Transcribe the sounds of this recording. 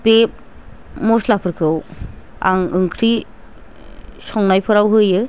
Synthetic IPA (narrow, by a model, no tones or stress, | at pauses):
b̥ep̚ | mɔslapʰɯɾkʰɯw | a̰ŋɯŋkʰɾi | sɔŋnajpʰɯɾawɦɯjɯ